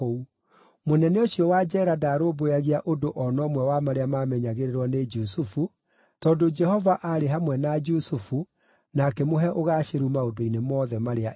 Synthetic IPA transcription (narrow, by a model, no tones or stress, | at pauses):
ou | monɛnɛoɕiɔwad͡ʒɛɾadaɾoːboaɣiaʔodoʔɔnɔːmwɛwamaɾeamamɛɲaɣeɾeɾwɔned͡ʒusufu | tɔːndod͡ʒɛhɔvaʔaɾeɦamwɛnad͡ʒusufu | nakɛmoɦɛʔoɣaːʃeɾumaodoinemɔːðɛmaɾea